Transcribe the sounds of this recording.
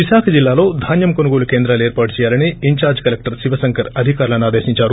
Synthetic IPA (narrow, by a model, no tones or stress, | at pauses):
ʋiʃaːkʰɐd͡ʒilːaːlo̞ːd̪ʱaːnjɐmkonuɡoːlukeːnd̪ɾaːlueːɾpaːʈut͡ʃɛːjaːlɐniːɲt͡ʃaːɾd͡ʒkɐlek̚ʈɐɾsiʋɐsɐŋkʰɐɾɐd̪ʱikaːɾlɐnaːd̪eːʃiɲt͡ʃaːɾu